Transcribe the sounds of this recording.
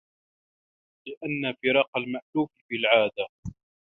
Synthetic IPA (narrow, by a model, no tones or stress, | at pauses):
lɪʔanːafɪɾɑːqɑlmaʔluːffilʕaːd̪a